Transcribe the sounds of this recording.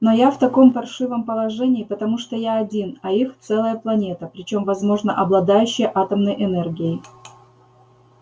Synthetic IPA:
no̞jaft̪ɐko̞mfɐrʂɨvəmpəlˠɐʐɛnʲɪːpət̪ɐmuʂt̪ojaɐdʲinɐixt̪sɛlˠəjəplˠɐnʲe̞t̪əpɾʲɪt͡ɕo̞mvɐzmo̞ʐnəʔɐblˠɐd̪ajʉɕːɪjəʔat̪əmnəjʔɪnɛrɡʲɪɪ

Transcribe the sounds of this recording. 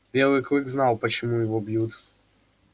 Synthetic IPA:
vʲjɛwɘkɾɘɡznawpɛt͡ɕimujvɔbʲjut̪

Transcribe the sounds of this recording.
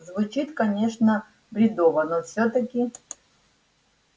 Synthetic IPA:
zvʊt͡ɕit̪kɐnʲeʂnə | bɾʲɪd̪ovənofsʲot̪əkʲɪ

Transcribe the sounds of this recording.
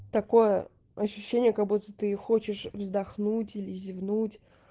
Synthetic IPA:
t̪ɐko̞jə | ɐɕːʉɕːenʲɪjəkɐɡ̚but̪ət̪ɨxot͡ɕɪʂvzd̪ɐxnutʲilʲɪzʲɪvnutʲ

